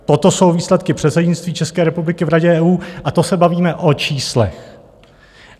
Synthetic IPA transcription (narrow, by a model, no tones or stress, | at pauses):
t̪o̞t̪o̞so̞wviːslɛt̪kɪpr̝̥ɛt̪sɛɟɲɪt͡st̪viːt͡ʃɛskɛːɾɛpublɪkɪvɾaɟɛɛːuːʔat̪o̞sɛbaviːmɛʔo̞t͡ʃiːslɛ̰x